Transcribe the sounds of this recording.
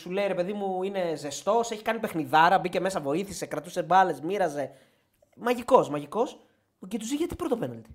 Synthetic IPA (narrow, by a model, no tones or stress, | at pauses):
sule̞iɾe̞pe̞ðimuine̞ze̞st̪o̞se̞çi̥kɐnipe̞xniðɐɾɐbice̞me̞sɐvo̞iθisekɾɐt̪use̞bɐle̞zmiɾɐze̞ | mɐʝiko̞smɐʝiko̞s | ucit̪uziʝɐt̪i̥pɾot̪openɐlt̪i̥